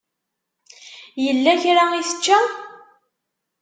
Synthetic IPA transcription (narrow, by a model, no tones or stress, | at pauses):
jəlːæçɾaiθə̥t͡ʃːæ